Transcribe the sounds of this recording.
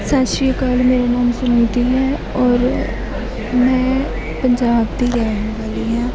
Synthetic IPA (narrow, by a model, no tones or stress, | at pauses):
saːʃikaːlmeːɾamãːmsʊnaːit̪iɦɛ | ɔːɾ | mɛ̃ː | pəɲd͡ʒaːbt̪iɾɛːeʋaːliɦɛ̃ː